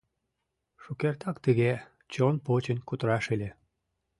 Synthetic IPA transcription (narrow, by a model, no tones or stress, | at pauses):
ʃukert̪ɑkt̪əɣe | t͡ɕonpot͡ɕə̆nʲkut̪əɾɑʃelʲe